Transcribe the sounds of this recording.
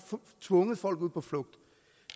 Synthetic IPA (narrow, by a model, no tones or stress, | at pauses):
t͡sʰʋɔ̽ŋəð̩ˠfɒ̽l̰ɡ̥uð̰ˠpʰɒ̽flɔ̽ɡ̥̚d̥